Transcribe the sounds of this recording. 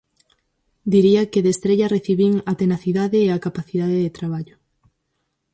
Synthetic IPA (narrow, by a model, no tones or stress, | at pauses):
d̪iɾiɐkɪðest̪ɾeʎɐreθiβiŋɐt̪enaθiðaðeːakapaθiðaðeðet̪ɾaβ̞aʎʊ